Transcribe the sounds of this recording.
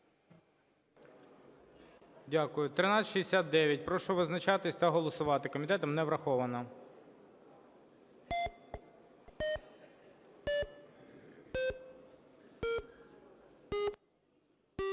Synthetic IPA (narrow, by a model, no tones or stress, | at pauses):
dʲakʊjʊt̪ɾɪnɑsʲʃiesʲat̪̚d̪ɛʋʲjɐt̚ʲpɾɔʃɔʋɪznɐt͡ʃɑt̪ɪsʲt̪ɐɦɔlˠɔsʊʋɑt̪ɪkɔmʲit̪ɛt̪ɐmnɛʋɾɐxɔʋɐnɐ